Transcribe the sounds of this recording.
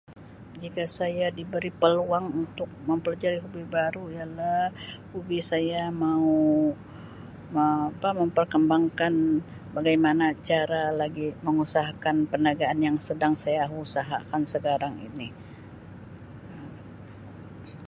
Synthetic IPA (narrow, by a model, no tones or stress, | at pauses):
d͡ʒikasajadibəɾipəluaŋunt̪ʊk̚məmpəlad͡ʒaɾiɦubibaɾuijalahhubisajamau | məapaməmpərkəmbaŋkan | baɡajmanat͡ʃaɾalaɡiməŋusaɦakanpənaɡaʔːnjaŋsədaŋsajaɦusaɦa̰kansəkaɾaŋḭni